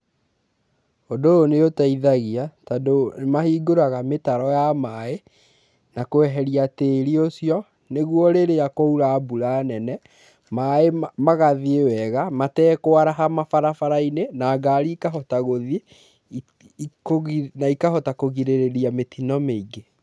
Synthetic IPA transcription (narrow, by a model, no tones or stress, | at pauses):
odoːneotaiðaɣiatadomahiːɡoɾaɣametaɾɔjamae | nakoɛɦɛɾiateːɾiosiɔ | neɣwɔɾeɾejakouɾabuɾanɛnɛ | maemaɣaðiewɛɣamatɛkoaɾaɦamafaɾafaɾainenaːɡaːɾiːkaɦɔtaɣoðe | konaikahɔtakoɣiɾeɾeɾiametinɔmeiɡe